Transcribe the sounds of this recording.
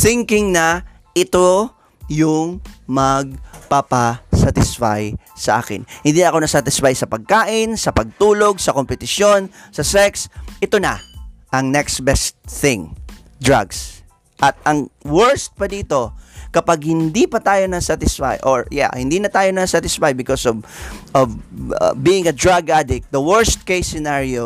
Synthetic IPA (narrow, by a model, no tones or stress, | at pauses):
θɪŋkɪŋnɐ | ʔɪt̪o | jʊŋmɐɡ̚papasat̪ɪsfa̰jsɐʔa̰ːkɪ̰nhɪ̃nd̪iːnɐko̞nɐsat̪ɪsfajsɐpɐɡ̚kaːʔɪnsɐpɐɡ̚t̪uːlo̞ɡ̚sɐko̞mpɛt̪ɪʃjo̞nsɐsɛksʔɪt̪o̞nɐʔɐŋnɛksbɛst̪̚θɪ̃ŋ | d̪ɹaɡs | ʔɐt̪̚ɐŋwɛɹst̪̚pɐd̪iːt̪o̞kɐpaɡ̚hɪnd̪ipɐt̪aːjo̞nɐsat̪ɪsfa̰jʔoɹja̰hɪnd̪inɐt̪aːjo̞nɐsat̪ɪsfajbɪkosovʔov̰biːɪ̃ŋɐd̪ɹaɡʔad̪ɪk̪̚d̪ɐwɛɹst̪̚kejsɪnaɹio